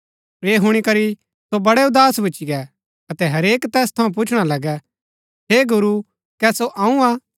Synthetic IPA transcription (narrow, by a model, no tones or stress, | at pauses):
eːɦʊɽ̃ikɐɾi | sobɐɽɛʊd̪aːsbʊːt͡ʃiɡɛ | ɐt̪ɛɦɐɾeːkt̪ɛːst̪ʰɐũp̬ʊt͡ʃʰɽ̃alɐɡɛ | ɦeːɡʊɾu | kɛsoʔãːũaː